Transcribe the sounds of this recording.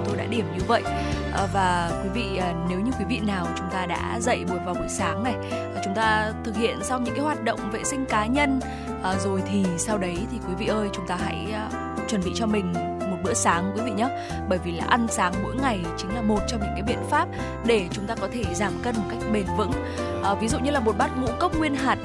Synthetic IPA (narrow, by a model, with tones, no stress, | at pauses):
t̪o˧jɗa̰ː˧˥ɗi˧˩əmɲɨ˧və̰˧˨jʔ | ʔvaː˨˩kwi˨˦vḭː˧˨˩ne˨˦wɲɨ˧kwi˨˦vḭ˧˨naː˨˩wt͡ɕʊ˨˦ŋ͡mt̪aː˧ɗa̰ː˧˥zə̰˧˨jmo˨˩t̚vaː˨˩wɓu˧˩jsaː˨˦ŋna˨˩ja˨˩t͡ɕʊ˨˦ŋ͡mt̪aː˧t̪ʰɨ˨˩k̚hḭ˧˨ənswɲɨ̰˧˥ŋkːaː˨˦jhwaː˨˩t̚ɗə̰˧˨wŋ͡mvḛ˧˨sï˧ŋ̟kaː˨˦ɲə˧n | ʔə˨˩zo˨˩jt̪ʰi˨˩sa˧wɗə˨˦jt̪ʰi˨˩kwi˨˦vḭ˧˨ʔəː˧jt͡ɕʊ˨˦ŋ͡mt̪aː˧ɦa̰˧˥j | t͡ɕwə˨˩nɓḭ˧˨t͡ɕɔ˧mï˨˩ŋ̟ | mo˨˩ɓɨ̰˧˥əsaː˨˦ŋkwi˨˦vḭ˧˨ɲəː˨˦ | ɓəː˧˩jvi˨˩laː˨˩ʔa˧nsaː˨˦ŋmo̰˧˥jŋa˨˩jt͡ɕï˨˦ŋlaː˨˩mo˨˩t̚t͡ɕɔ˧ŋ͡mɲɨ̰˧˥ŋkaː˨˦jɓḭ˧˨ənfaː˦˥p̚ | ɗe˧˩t͡ɕʊ˨˦ŋ͡mt̪aː˧kɔ˨˦t̪ʰe˧˩zaː˧˩mkə˧nmo˨˩t̚ka˦˥jk̟̚ɓe˨˩nvɨ̰˧˥ŋ | ʔːvi˨˦zṵ˧˨ɲɨ˧laː˨˩mo˨˩t̚ɓa˦˥t̚ŋṵ˧˥kə˦˥k͡p̚ŋwi˧ənɦaː˨˩t̚